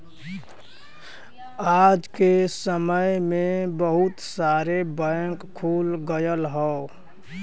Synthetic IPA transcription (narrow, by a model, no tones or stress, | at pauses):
ad͡ʒkesəməjmẽbəɦʊt̪saːɾebəŋkkʰːuːlɡəjəlɦɔo